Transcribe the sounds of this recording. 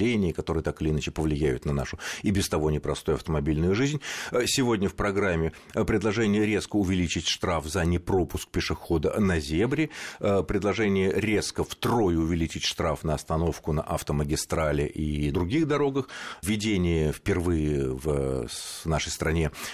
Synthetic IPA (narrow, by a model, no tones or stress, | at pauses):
enʲɪjəkɐt̪o̞ɾɨjət̪akɨlʲɪːnat͡ɕɪpəvlʲɪjæjʊt̪nɐnaʂʊibʲɪst̪ɐvo̞nʲɪpɾɐst̪ojɐft̪əmɐbʲilʲnʊjʊʐɨzʲnʲsʲɪvo̞dʲnʲəfpɾɐɡɾamʲːɪ | pɾʲɪd̪lˠɐʐɛnʲɪjəɾʲe̞skəʊvʲɪlʲit͡ɕɪtʲʂt̪ɾafzənʲɪpɾo̞pʊsk̚pʲɪʂɨxo̞d̪ənɐzʲe̞vɾʲɪəpɾʲɪd̪lˠɐʐɛnʲɪjəɾʲe̞skəft̪ɾo̞jʊʊvʲɪlʲit͡ɕɪtʲʂt̪ɾafnəɐst̪ɐno̞fkʊnə̰ʔɐft̪əməɡʲɪst̪ɾalʲɪ̰ʔid̪ɾʊɡʲiɣd̪ɐɾo̞ɡəxvʲɪdʲenʲɪjəfpʲɪrvɨjəv | naʂəjst̪ɾɐnʲe̞